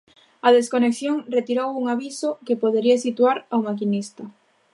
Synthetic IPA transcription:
ɐðeskonekθjoŋret̪iɾowuŋaβisokepoð̞eɾiasit̪waɾawmakinist̪ɐ

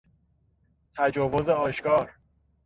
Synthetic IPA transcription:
t̪ʰæd͡ʒɒːvo̞zeɒːʃkɒːɾ

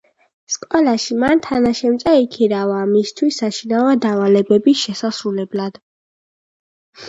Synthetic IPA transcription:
skʼɔlaʃimant̪ʰanaʃɛmt̪sʼaikʰiɾavaːmist̪ʰwisːaʃinavad̪avalɛbɛbisʃɛsasɾulɛblad̪̥

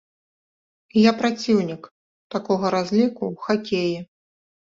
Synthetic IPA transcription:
japɾat͡sʲiwnʲik | t̪akɔɣɐɾazʲlʲikuwxakʲeji

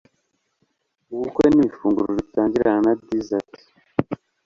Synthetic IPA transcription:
uwukwenifuːŋɡuɾoβitaːɲɟiɾananabdizati̥

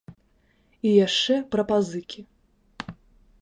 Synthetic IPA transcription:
ijaʂt͡ʂɛpɾɐpazɨkʲʰi

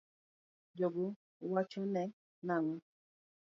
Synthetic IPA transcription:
d͡ʒɔɡo | wat͡ʃɔnɛ | naŋɔ

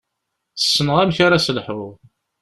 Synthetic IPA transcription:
θə̥sːənʁæmçaɾaslħʊʁ

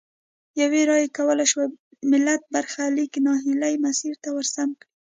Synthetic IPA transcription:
jaweɾɑjekawəlajʃwa | mɪlːat̪̚baɾxaliknɑɦɪlajmasiɾt̪awəɾsamkɽi

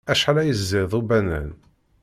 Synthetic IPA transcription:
æʃalæjəzːɪðˤubænæ̰n

